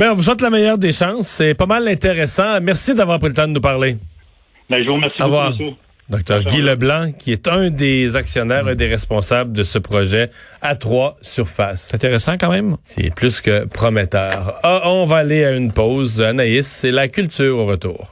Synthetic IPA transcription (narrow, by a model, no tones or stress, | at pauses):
bɛ̃ɔ̃vus̬wɛt̪̬lamɛjœʁd̪eʃɑ̃ːsːɛpamalɛ̃t̪eʁɛsɑ̃mɛʁsid̪avwaːʁpʁilət̪ɑ̃d̪ənupaʁle | bɛʒumɛʁsiavwaːʁ | d̪ɔk̚t̪œːʁɡʲiləblɑ̃kʲiɛt̪œ̃d̪ezaksjɔnɛːʁɛ̃d̪eʁɛspɔ̃sabld̪əsəpʁɔʒɛat̪χwasyʁfasɛ̃t̪eʁɛsɑ̃kɑ̃mɛ̃msḭɛ̰plyskʲəpχɔmɛt̪œːʁɔ̃vaːleaynpɔʊzanaɪselakʲylt̪yːʁoʁət̪ṵːʁ